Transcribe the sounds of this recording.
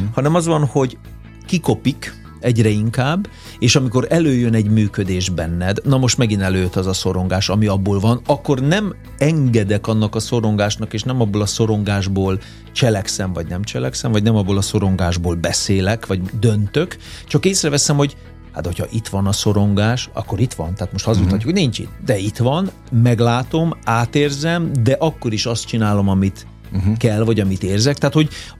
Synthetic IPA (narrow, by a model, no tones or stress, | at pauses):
hɒnɛmɒzʋɒnho̞ɟ | kiko̞pik | ɛɟrɛiŋkaːbː | eːʃɒmiko̞ɾɛløːjønɛɟmyːkød̪eːʒbɛnːɛd̪nɒmo̞ʃt̪mɛɡinɛløːt̪ɒzɒso̞ɾo̞ŋɡaːʃɒmiɒbːoːlvɒnɒkːo̞rnɛm | ɛŋɡɛd̪ɛkɒnːɒkɒso̞ɾo̞ŋɡaːʃnɒkeːʃnɛmɒbːolɒso̞ɾo̞ŋɡaːʒboːl | t͡ʃɛlɛksɛmvɒɟnɛmt͡ʃɛlɛksɛmvɒɟnɛmɒbːoːlɒso̞ɾo̞ŋɡaːʒboːlbɛseːlɛkʋɒɟd̪ønt̪ø̞kt͡ʃɒkeːsrɛvɛsɛmho̞ɟ | ha̰t̪ho̞cʰɒ̰ʔit̪ʋɒnɒsoɾo̞ŋɡaːʃɒ̰kːo̞ɾit̪ʋɒ̰nt̪aːt̪mo̞ʃt̪hɒzut̪hɒcːukːoniɲt͡ʃḭt̪d̪ɛit̪ʋɒn | mɛɡlaːt̪o̞maːt̪eːrzɛmd̪ɛʔɒkːo̞ɾiʃɒst̪t͡ʃinaːlo̞mɒmit̪ | kɛlːvɒɟɒmit̪eːrzɛkt̪aaːt̪ho̞ɟ